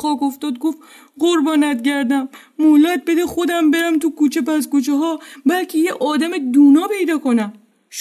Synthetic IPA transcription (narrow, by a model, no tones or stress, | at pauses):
xɒːkoft̪ɒːd̪̚ɡof | ɢoɾbɒːnæt̪ɟæɾd̪æmː | olɒd̪̚be̞d̪exod̪æmbe̞ɾæmt̪ukuːt͡ʃʰepæzkot͡ʃʰeɦɒːbælcʰejeʔɒːd̪æmed̪uːnɒːpe̞jd̪ɒːko̞næm | ʃ